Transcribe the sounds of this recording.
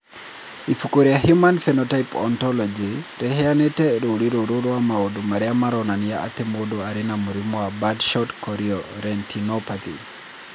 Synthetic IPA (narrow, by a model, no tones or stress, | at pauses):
ifukoɾiahjumanfɛnɔtaipɔ̰ntɔlɔd͡ʒiɾɛɦɛanetɛɾoɾiɾoɾoɾoamaodomaɾɛamaɾɔnanijaʔa̰t̪ɛmodoaɾenamoɾimɔabadʃɔtkɔɾiɔɾɛntʰinopat̪ḭ